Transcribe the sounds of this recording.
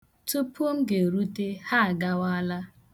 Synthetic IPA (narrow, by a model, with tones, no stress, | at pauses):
tu˦po˦m̩˦ɡe˨ɾu˦te˦ha˦a˨ɡa˦wa˦la˦